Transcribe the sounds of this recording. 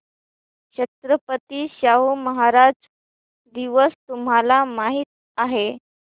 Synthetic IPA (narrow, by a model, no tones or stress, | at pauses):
ɕət̪ɾəpət̪iːɕaɦuməɦaɾad͡z | d̪iʋəst̪umɦalamaɦiːt̪̚ | aɦe